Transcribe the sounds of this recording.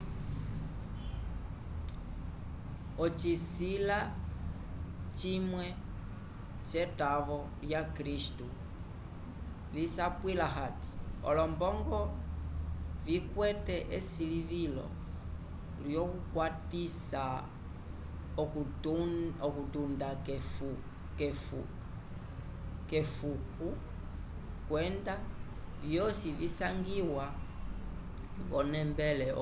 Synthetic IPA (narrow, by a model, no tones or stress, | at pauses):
ɔt͡ʃisila | t͡ʃimwɛ | t͡ʃɛtaβɔ | ljakɾistu | lisapwilaɦati̥ɔ̰lɔmbɔŋɡɔ | vikwɛtɛʔɛsiliβilɔ̰ | ljɔkukwatisa | ɔk | ɔkutundakɛfu | kɛfu | kɛfuku | kwɛnda | vjɔsivisaŋɡiwa | ɡɔnɛmbɛlɛ